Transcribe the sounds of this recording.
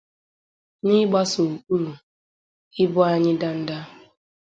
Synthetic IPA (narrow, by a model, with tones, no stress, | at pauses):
nɪ˦ɡ͡ba˦so˨u˨ku˦lu˨ | ɪ˦bʊ˦a˦ɲɪ˦da˦n̩˦da˦